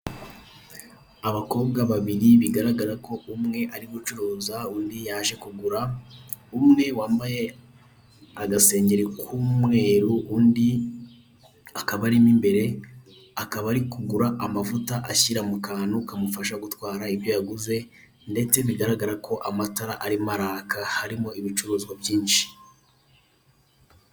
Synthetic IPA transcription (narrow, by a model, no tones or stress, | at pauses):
aβako̞ːbɡaβaβiɾiβiɡaɾaɡaɾako̞ʔumŋe̞ʔaɾiβut͡ʃuɾuːzauːndijaːʒe̞kuɡuɾaumŋe̞waːmbaje̞ | aɡase̞ːɲɟe̞ɾekʰuːmŋe̞ːɾuundi | akaβaɾimimbe̞ɾe̞ | akaβaɾikuɡuɾaʔamavutaʔaçiɾamukaːnukamufaʃaɡutwaːɾaiβjo̞jaɡuze̞ | nde̞t͡se̞βiɡaɾaɡaɾakʰo̞ʔamataɾaʔaɾimaɾakahaɾimo̞iβit͡ʃuɾuːzɡwabjiːnʃi̥